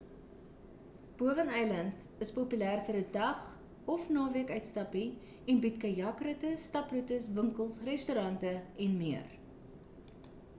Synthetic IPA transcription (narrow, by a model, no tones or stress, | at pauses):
b̥uəvənɛjlɐnt | əspopylæːrfərdədɐχ | ɔfnɑːviəkœɥtstɐpi | ɛnbitkɐjɐkrətəstɐprutəsvəŋkəlˠsrɛstuɾɐntəɛnmiər